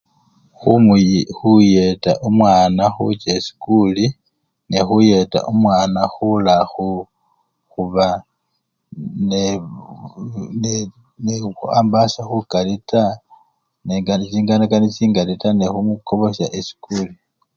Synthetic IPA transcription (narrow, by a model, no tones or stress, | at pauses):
xumxuje̞ta̰ʔumwaːnaxṵt͡ʃasi̥kuli | nexuje̞ta̰ʔumwaːnaxulaxu | xuβa | ne | n | neuaːmbasaxukalita | neŋɡant͡ʃiːŋɡanakanit͡ʃiːŋɡalitanexumuko̞βo̞saʔesi̥kuli